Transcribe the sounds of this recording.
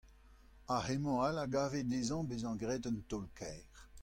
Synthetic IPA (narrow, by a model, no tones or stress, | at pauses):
ahemɔ̃alaɡaːvedezɑ̃bezɑ̃ɡʁɛːdənt̪ɔlkʰɛːʁ